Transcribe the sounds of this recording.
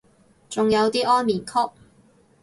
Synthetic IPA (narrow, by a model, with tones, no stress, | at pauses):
t͡sʊ˨ŋjɐ˨˧wt̪iː˥ʔɔː˥nmiː˨˩nkʰɔː˥k̚